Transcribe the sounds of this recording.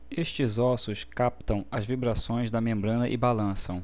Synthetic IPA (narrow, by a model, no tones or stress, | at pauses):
eʃt͡ʃɪzɔsʊskap̚t̪ɐ̃w̃ɐzvibɾasõj̃zd̪ɐmẽmbɾɐ̃nɐʔɪbalɐ̃sɐ̃w̃